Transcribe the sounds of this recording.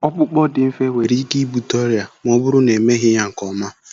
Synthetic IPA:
ɔ˦k͡pʊ˦k͡pɔ˦dɪ˨m̩˦fe˦we˨ɾi˦ki˦bu˨tɔ˦ɾi˨a˨m˦ɔ˦bʊ˦ɾʊ˦ne˨me˦ɦɪ˦ɲa˨ŋ̩˨kɔ˨ma˦

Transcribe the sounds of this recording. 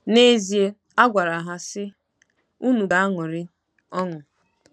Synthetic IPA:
ne˦zi˨e˦ | a˦ɡʷa˨ɾa˨ɦa˦sɪ˦ | u˦nu˨da˦a˦ŋʊ˨ɾɪ˦ | ɔ˦ŋʊ˨

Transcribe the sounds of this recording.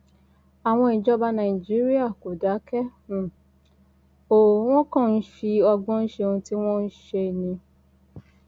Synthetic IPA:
a˨w̃ɔ̃˧i˨d͡ʒɔ˦ba˧nã˨i˨d͡ʒi˦ɾi˦a˦˨ko˨da˨˦kɛ˦˨ | o˨w̃ɔ̃˦kã˦˨n̩˦ʃi˧ɔ˧ɡ͡bɔ̃˦n̩˦ʃe˧ũ˧ti˦w̃ɔ̃˦n̩˦ʃe˧nĩ˧

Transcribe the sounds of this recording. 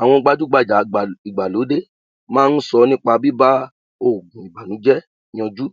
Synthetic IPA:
a˨w̃ɔ̃˧ɡ͡ba˧˦d͡ʒu˦ɡ͡ba˧˨d͡ʒa˨i˨ɡ͡ba˨lo˨˦de˦ | mãː˦n̩˦sɔ˧nĩ˦k͡pa˧bi˦ba˦ | o˦˨ɡũ˨i˨ba˨nũ˨˦d͡ʒɛ̃˦ | ɔ̃˧d͡ʒu˦

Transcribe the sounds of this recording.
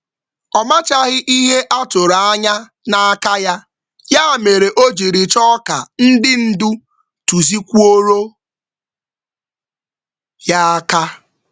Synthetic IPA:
ɔ˨ma˦t͡ʃa˦ɣɪ˦ʔi˦ɦe˦ʔa˦tʊ˨ɾa˨a˦ɲa˦ | na˦a˦ka˦ja˦ | ja˦a˦˨me˨ɾe˨ʔo˦d͡ʒi˨ɾi˨t͡ʃɔ˦ka˨n̩˦dɪ˦n̩˦du˦ | tu˨zi˦kʷu˦o˦ɾo˦ | ja˦a˦ka˦

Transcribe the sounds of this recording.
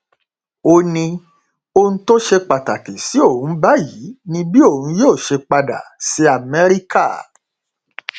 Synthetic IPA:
o˧nĩ˧ | o˧nũ˦to˦ʃe˧k͡pa˨ta˨ke˨si˨˦o˦˨ũ˨˦ba˦ji˨˦nĩ˦bi˦o˦˨ũ˨˦joː˦˨ʃe˧k͡pa˧da̰˨se˧a˨mɛ˦ɾi˦ka˦˨

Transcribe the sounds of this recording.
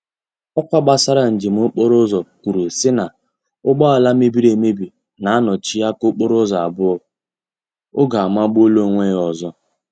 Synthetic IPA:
ɔ˦kʷa˦ɡ͡ba˦sa˦ɾa˨n̩˨d͡ʒɪ˨m̩˦o˦k͡po˦ɾʊ˦zɔ˨kʷu˨ɾu˨sɪ˦na˨ | ʊ˦ɡ͡bɔ˦a˨la˦me˦bi˦ɾe˨me˦bi˨ | na˨a˦nɔ˨t͡ʃi˦a˦ko˦k͡po˦ɾʊ˦zɔ˨a̰˨bʊ˦ɔ˦ | ʊ˦ɡa˨a˨ma˦ɡ͡bʊ˦o˦lo˦˨ŋʷe˦ɔ˨zɔ˦

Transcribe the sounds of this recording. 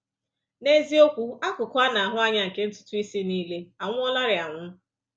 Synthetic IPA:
ne˦zi˦o˦kʷu˦a˦kʊ˨kʷa˦na˨a˨ɦʊ˦a˦ɲa˦ŋ̩˨ke˦n̩˦tʊ̥˦tʊ˦i˦si˦niː˦le˦a˨ŋʷʊ˦ɔ˦la˦ɾɪ˨a˨ŋʷʊ˦

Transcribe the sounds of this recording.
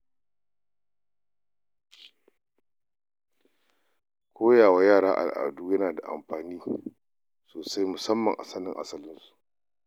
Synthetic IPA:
kʷʰoː˦jaː˨wa˦jaː˦˨ɽaː˦ʔa̰˨lʔa̰˨duː˦jɐ˦naː˨da˨ʔa̰˨mɸaː˨niː˦ | soː˨sa˦jmʊ˨sɐ˦mːɐ˨ŋʔa̰˨sɐ˦nɪ˦ŋʔa̰˦sɐ˦lɪ˦nsu̥˨ʔ

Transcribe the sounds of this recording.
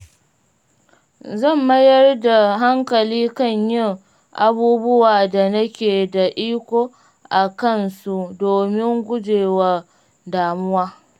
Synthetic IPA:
zɐ˦˨mːɐ˦jɐ˦rda˨ɦa˦ŋkɐ˨liː˦kɐ˦˨ɲjɪ˦˨ŋ | ʔa˨buː˦bʊ˦waː˨da˨nɐ˦kʲeː˨da˨ʔiː˦kʷoː˦ | ʔa˨kɐ˦nsu˦doː˨mɪ˦ŋɡʷʊ˦d͡ʒeː˨wa˨ | daː˨mʊ˦waː˦

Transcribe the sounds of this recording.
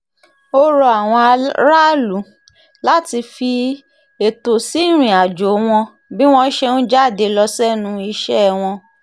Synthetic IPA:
o˦ɾo˧a˨w̃ɔ̃˧ɾa˦lu˨˦ | la˦ti˧fi˧ | e˨to˨si˨˦˨ɾ̃ĩ˨a˨d͡ʒo˨˦w̃ɔ̃˧ | bi˦w̃ɔ̃˧˦ʃe˧ñ̩˦d͡ʒa˦˨de˨˧lɔ˧sɛ˦nũ˧˦i˧ʃɛ˦˨w̃ɔ̃˧

